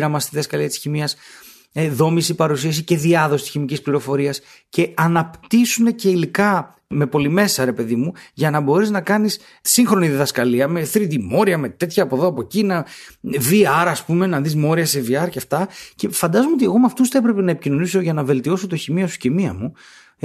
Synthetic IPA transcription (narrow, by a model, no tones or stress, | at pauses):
ɾɐmɐst̪iðiðɐskɐliɐt̪i̥sçimiɐs | ðo̞misipɐɾusiɐsice̞ðiɐðo̞sit̪i̥sçimicispliɾo̞fo̞ɾiɐs | ce̞ɐnɐpt̪isune̞ce̞ilikɐ | me̞po̞lime̞sɐɾe̞pe̞ðimuʝɐnɐbo̞ɾiznɐkɐnisː | iŋxɾo̞niðiðɐskɐliɐme̞θɾid̪imo̞ɾiɐme̞t̪e̞t̪çɐːpo̞ðo̞ɐpocinɐviɐɾɐspume̞nɐðizmo̞ɾiɐseviɐɾceɐft̪ɐce̞fɐnd̪ɐzomeot̪ie̞ɣo̞meɐft̪usθɐepɾe̞pe̞nɐepicino̞niso̞ʝɐnɐve̞lt̪io̞sot̪o̞çimiɐsu̥cemiɐmu